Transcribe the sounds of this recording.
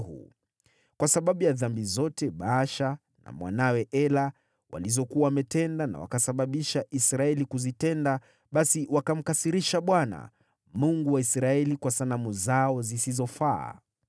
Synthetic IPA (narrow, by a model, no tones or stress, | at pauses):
hṵ | kwasaɓaɓujaðambizɔtɛɓaːʃa | na̰mwa̰nawɛʔɛla | wa̰lizɔkuawamɛtɛndana̰wa̰kasaɓaɓiʃaʔisɾaɛlikuzitɛnda | ɓasiwakam̩kasiɾiʃaɓwana̰ | muŋɡuwaisɾaɛlikwasanamuzaɔzisizɔfaː